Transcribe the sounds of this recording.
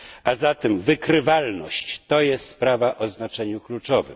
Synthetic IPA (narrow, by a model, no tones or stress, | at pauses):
azat̪ɛmvɘkɾɘvalnɔɕt͡ɕt̪ɔjɛst̪spɾavaʔɔznat͡ʂɛɲuklut͡ʂɔvɘ̰m